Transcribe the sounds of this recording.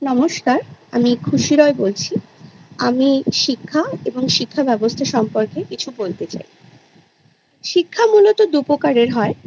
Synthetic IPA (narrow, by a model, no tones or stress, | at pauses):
nɔmoʃkaɾamikʰuʃiɾɔebolt͡ɕʰiamiʃikʰːaeboŋʃikʰːabɛbost̪ʰaʃɔmpoɾkekit͡ɕʰubolt̪et͡ɕa̰j | ʃikʰːamulot̪od̪upokaɾeɾɦɔe